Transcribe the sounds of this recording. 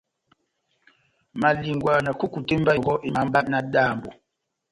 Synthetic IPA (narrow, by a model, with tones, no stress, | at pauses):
ma˨li˨ŋɡwa˨nə˨ku˦ku˨te˦m˦ba˦˨ɡɔ˦ʔi˦ma˨˦m˦ba˦t̚na˦daː˦˨mbo̰˨